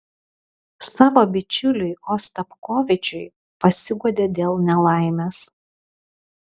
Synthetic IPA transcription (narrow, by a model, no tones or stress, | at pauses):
sɑːʋoːbʲɪt͡ʃʲʊlʲʊɪoːst̪ɐpkoːʋʲɪt͡ʃʲʊɪ | pɐsʲɪɡɔd̪ʲeːd̪ʲeːlˠnʲɛlˠɑˑɪmʲeːs